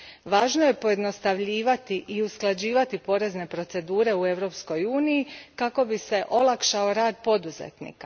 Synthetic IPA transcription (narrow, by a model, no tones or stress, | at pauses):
ʋaːʒnoje̞po̞je̞d̪no̞st̪aʋʎiːʋat̪iʔiusklˠad͡ʑiːʋat̪ipo̞ɾe̞zne̞pɾo̞t̪se̞d̪uːɾe̞ue̞ʋɾo̞ːpsko̞juːnijikako̞bise̞ʔo̞lˠakʃao̞ɾaːd̪po̞d̪uzḛt̪nḭːka